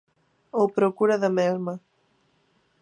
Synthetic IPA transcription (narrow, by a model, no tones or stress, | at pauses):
opɾokuɾaðameɾma